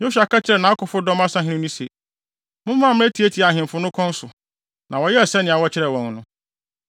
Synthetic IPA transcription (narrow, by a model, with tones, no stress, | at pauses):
jo˦su˨a˨ka˦t͡ɕʰɪ˦ɾɛ˨nã˨a˦kʊ˨fʊ˦dɔ̃˦m˦a˦sã˦ɦɪ̃˦nɪ̃˦nĩ˦se˨ | mʊ̃˦m˦mã˦˨mɪ̃˦æ˦tʰi˨e˦tʰi˨a˨ɦɪ̃˨mfʊ˦nʊ̃˦kʰɔ̃˦n̩˦sʊ˨ | nʔã˨wɔ˨˦jɛ˦ɛ˨sɛ˦nɪ̃˨a˨wɔ˦t͡ɕʰɪ˦ɾɛ˨wɔ̃˨n˨nʊ̃˦